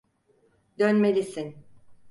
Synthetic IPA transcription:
d̪ønme̞lʲisin

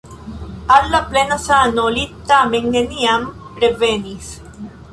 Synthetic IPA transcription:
alːaplenasanolit̪ːameŋneniam | pɾevenis

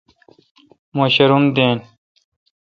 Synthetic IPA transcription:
moːɕɐɾund̪eːn

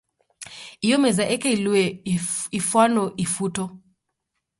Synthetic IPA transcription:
ijɔmɛzaʔɛkailɛ | ifwanɔʔifutɔ

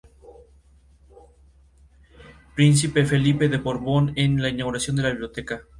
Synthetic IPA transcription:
pɾins̬ipe̞fe̞lipe̞ðe̞βoɾβo̞nenlainaɣuɾasjo̞nd̪elaβiβljo̞t̪eka

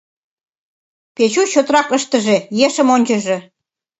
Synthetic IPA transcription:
pet͡ɕuɕot̪ɾɑkəʃt̪ə̆ʒejeʃə̆monʲt͡ɕəʒĕ

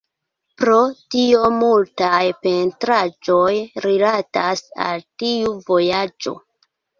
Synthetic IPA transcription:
pɾo̞tio̞multajpe̞ntɾad͡ʒo̞jɾilatasa̰ltiuvo̞jad͡ʒo̞̰

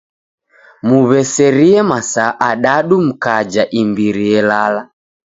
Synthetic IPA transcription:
muβɛsɛɾiɛmasaʔaɗaɗum̩kad͡ʒaʔimbiɾiɛlala

